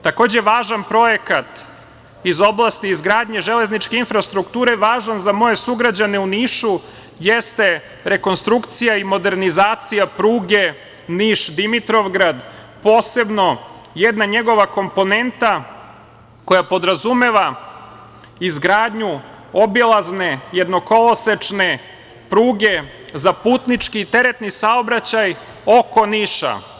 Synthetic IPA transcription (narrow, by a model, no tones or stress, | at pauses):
t̪ako̞ːd͡ʑe̞ʋaːʒanpɾo̞je̞kat̪ | izo̞blˠast̪iːzɡɾaːd̪ɲeʒele̞znit͡ʃke̞infɾast̪ɾukt̪uːɾe̞ʋaːʒanzamo̞je̞suɡɾad͡ʑaneuniːʃu | jest̪e̞ | ɾe̞konst̪ɾukt̪sijaimo̞d̪e̞ɾnizaːt̪sijapɾuːɡe | niːʃd̪imit̪ɾo̞ʋɡɾad̪ | po̞ːse̞bno̞ | jed̪naɲe̞ɡo̞ʋako̞mpo̞ne̞nt̪a | ko̞japo̞d̪ɾazume̞ʋa | izɡɾaːd̪ɲu | o̞bilˠazne̞jed̪no̞ko̞loset͡ʃne̞ | pɾuːɡe̞ | zapuːt̪nit͡ʃkit̪e̞ɾe̞t̪nisaobɾat͡ɕaj | oko̞niːʃa̰